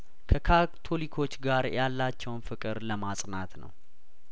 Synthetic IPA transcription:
kʰəkʰat̪ʰo̞likʰo̞t͡ʃːɡaɾjalːat͡ʃːɛwnfɨkʼɨɾləmasʼnat̪nə̰w

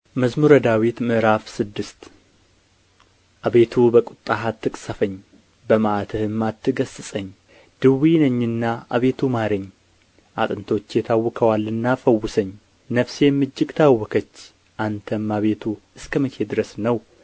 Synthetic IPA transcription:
məzmuɾəd̪awit̪mɨʔɾafsɨd̪ːɨst̪ | ʔaβe̞t̪ʰubəkʼut̪ʼːaɦat̪ːɨkʼsəfəɲː | bəmaʔat̪ʰəhɨmːat̪ʰːɨɡəsːɨsʼəɲː | d̪̥ɨwːijnəɲːɨnːaʔa̰βe̞t̪ʰumaɾəɲː | ʔa̰t̪ʼɨnt̪ʰo̞t͡ʃːjɛt̪ʰawːɔkʰəwalɨnːafəwːʊsəɲː | nəfseɛmːɨd͡ʒːɪɡt̪ʰawːɔkʰət͡ʃː | ʔant̪ʰəmːaβe̞t̪ʰu | ɨskʰəmət͡ʃʰed̪ɨɾəsnəw

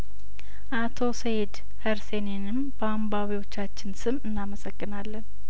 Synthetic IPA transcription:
ʔat̪ʰo̞sejed̪ | həɾsenenɨmb̥əambaβiwo̞t͡ʃːat͡ʃːɪnsɨmɨnːaməsəɡːɨnalːən

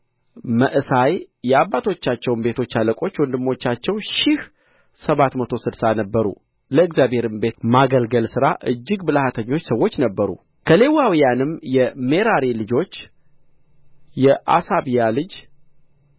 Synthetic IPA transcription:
məʔɨsajjɛabːat̪ʰo̞t͡ʃːat͡ʃːɛwmbe̞t̪ʰo̞t͡ʃːaləkʼo̞t͡ʃːwɔnd̪ɨmːo̞t͡ʃːat͡ʃːɛwʃɪh | səβat̪mət̪ʰo̞sɨdsanəbːəɾṵ | ləɨɡzjabhe̞ɾɨmbe̞t̪maɡəlɡəlsɨɾaʔɨd͡ʒːɪɡbɨlhat̪ʰəɲːo̞t͡ʃːsəwːo̞t͡ʃːnəbːəɾṵ | kʰəle̞wawijanɨmjɛme̞ɾaɾilɨd͡ʒo̞t͡ʃː | jɛʔa̰saβijalɨd͡ʒ

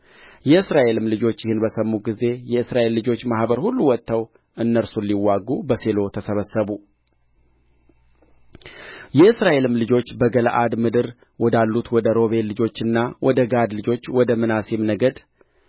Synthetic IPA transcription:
jɛɨsɾaʔe̞lɨmlɨd͡ʒo̞t͡ʃːjɪhɨnbəsəmːuɡize̞jɛɨsɾaʔe̞lːɨd͡ʒo̞t͡ʃːmahbəɾhulːuwɔt̪ʰːəw | ʔɨnːəɾsulːiwːaɡubəse̞lo̞t̪ʰəsəβəsːəβu | jɛʔɨsɾaʔe̞lɨmlɨd͡ʒo̞t͡ʃːbəɡəlʔad̪mɨd̪ɨɾ | wɔd̪alːut̪wɔd̪əɾo̞βe̞llːɨd͡ʒo̞t͡ʃːɨnːawʔɔd̪əɡad̪lɨd͡ʒo̞t͡ʃːwɔd̪əmɨnasemnəɡəd̪

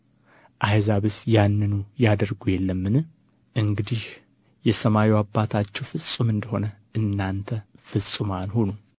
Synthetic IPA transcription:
ʔajzaβɨsjanːɨnujad̪əɾɡujɛlːəmːɨnɨ | ʔɨŋɡɨd̪ih | jɛsəmawiwabːat̪ʰat͡ʃːɛwfɨsʼumɨnd̪əho̞nə | ʔɨnːant̪ʰəfɨsʼɨmanhonu

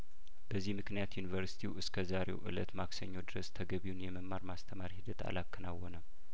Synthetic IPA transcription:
b̥əzːihmɨknijat̪junivəɾsi̥t̪ʰiwʔɨskʰəzaɾe̞̰wʔɨ̰lə̰t̪maksəɲːo̞d̪ɨɾəst̪ʰəɡəβiwunjɛməmːaɾmast̪ʰəmaɾhɨd̪ət̪ʰa̰lakʰːɨnawɔnə

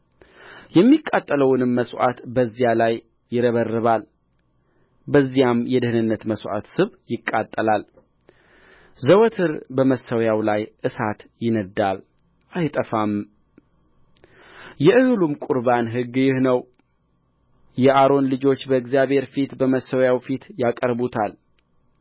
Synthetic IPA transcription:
jɛmːikʼːat̪ʼːələwnɨmːəswʔa̰t̪bəzːijalaj | jɪɾəβərːɨβal | bəzːijamjɛd̪ɨhɨnɨnːət̪məsʔa̰t̪sɨβjɪkʼːat̪ʼːəlal | zəwɔt̪ʰɨɾbəməsːəwjawlajʔɨsat̪jɪnəd̪ːal | ʔajt̪ʼəfam | jɛʔɨhɨlumkʼʊɾbanɦɨɡːjɪhnəw | jɛʔaɾo̞nlɨd͡ʒo̞t͡ʃːbəɨɡzijaβhe̞ɾfit̪bəməsːəwjawfit̪jakʼəɾbut̪ʰal

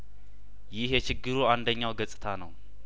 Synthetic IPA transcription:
jɪhjɛt͡ʃɪɡːɨɾuand̪əɲːawɡəsʼɨt̪ʰanəw

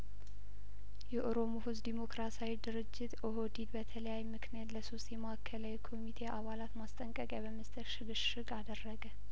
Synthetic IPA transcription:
jɛʔoɾo̞moɦuzd̪imo̞kɾasawid̪ɨɾɨd͡ʒːɪt̪ʔoɦod̪id̪bət̪ʰələjajmɨknijat̪ləso̞st̪jɛmaakʰːəlawikʰo̞mit̪ʰeʔaβalat̪mast̪ʼəŋkʼəkʼjaβəməst̪ʰʼəʃɨɡɨʃʃɨɡad̪ərːəɡə

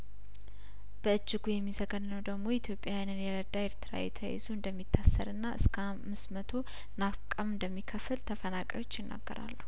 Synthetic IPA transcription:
b̥əɨd͡ʒːɪɡujɛmːizəɡənːəwd̪əɡmo̞it̪ʰjo̞pʼːjawjinɨnjɛɾəd̪ːaeɾt̪ʰɨɾa̰ɛ̰t̪ʰə̰jḛzuɨnd̪əmːit̪ʰːasːə̰ɾɨnːaʔɨskʰəamːɨsmət̪ʰo̞ | nafkʼamɨnd̪əmːikʰəfɨlt̪ʰəfənakʼa̰wo̞t͡ʃːjɪnːa̰ɡːə̰ɾa̰lːu

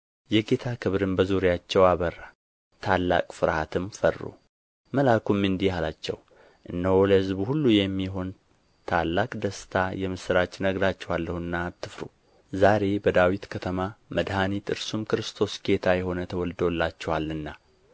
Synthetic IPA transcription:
jɛɡe̞t̪ʰakʰɨβɾɨmbəzuɾijat͡ʃːɛwaβərːa | t̪ʰalːa̰kʼfɨɾhat̪ʰɨmfərːṵ | məlakʰumːɨnd̪ihalat͡ʃːɛ̰w | ʔɨnːəwləhɨzbhulːujɛmːiɦo̞n | t̪ʰalːakʼd̪əst̪ʰajɛmɨsɨɾat͡ʃnəɡɾat͡ʃːɛwalːəhɨnːat̪ʰːɨfɾṵ | zaɾe̞bəd̪awit̪kʰət̪ʰəmaməd̪hanit̪ɨɾsumkɨɾɨst̪ʰo̞sɡ̥e̞t̪ʰajɛɦo̞nət̪ʰəwɔld̪wolːat͡ʃːɛwalːɨnːa

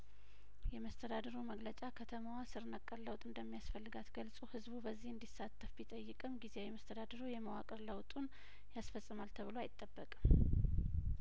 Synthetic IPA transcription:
jɛməst̪ʰəd̪ad̪əɾuməɡlət͡ʃʼakʰət̪ʰəmawasɨɾnəkʼːəɾləwt̪ʼɨnd̪əmːijasfəlːɨɡat̪ɡəlsʼuhɨzbubəzːihɨnd̪isːat̪ʰʼːəfbit̪ʼəjːɨkʼɨmɡizejɛməst̪ʰəd̪ad̪əɾujɛməwakʼəɾləwt̪ʼun | jasfəsʼːɨmalt̪ʰəβɨloajɪt̪ʼːəbːəkʼ

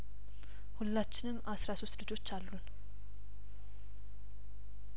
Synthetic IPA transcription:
hulːat͡ʃːɪnɨmʔasɾaso̞st̪lɨd͡ʒo̞t͡ʃːalːun

